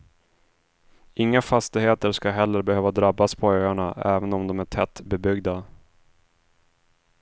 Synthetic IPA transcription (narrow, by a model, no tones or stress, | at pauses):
ʔɪŋːafast̪ɪheːt̪əɾʂkaɦɛlːəɾbɛhøːvad̪ɾabːaspʰɔøːaɳaɛːvənɔmd̪ɔmæʈʰɛt̪ːbɛbʏɡd̪a